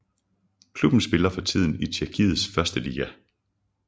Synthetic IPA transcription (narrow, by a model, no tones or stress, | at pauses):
kʰlub̥n̩sb̥e̝lɐfɒ̽t͡sʰið̞̰ˠn̩it͡sʰiɐkʰið̩ˠsfɶɐsd̥əliːɡ̥æ